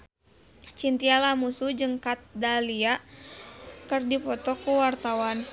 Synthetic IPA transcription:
t͡ʃint̪ialamusud͡ʒɨŋkat̪̚dalia | kɨrdipɔt̪ɔkuwart̪awan

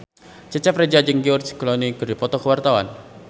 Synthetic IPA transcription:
t͡ʃət͡ʃɛpred͡ʒad͡ʒəŋɡiursi̥klɔnikərdipɔt̪ɔkəwart̪awa̰n

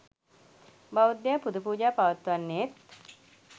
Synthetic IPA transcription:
baʋud̪ːjaːpud̪ʱupuːd͡ʒaːpaʋət̪ːuʋanːet̪̚

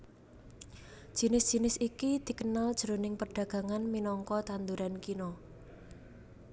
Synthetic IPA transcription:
ʒ̥i̤nɪsd̥ʒ̥i̤nɪsikid̪̥i̤kənald̥ʒ̥əɾonɪŋpərɖ̥a̤ɡ̥ä̤ŋanminɔŋkɔt̪and̪uɾankinɔ

